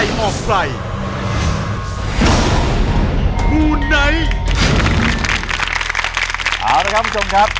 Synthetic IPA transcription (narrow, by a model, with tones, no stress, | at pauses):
jʔɔː˨˩k̚pa˨˧˩j | kʰuː˧na˦˥j | ʔaː˨˧˩wɾa˧˦˥kʰa˦˥pʰu˥t͡ɕʰo˧mkʰa˦˥p̚